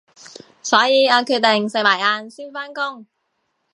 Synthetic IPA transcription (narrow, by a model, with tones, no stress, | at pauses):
sɔː˨˥jiː˨˧aː˨˧kʰyː˧t̚t̪e˨ŋse˨k̚maː˨˩jaː˧nsiː˥nfaː˥nkʊ˥ŋ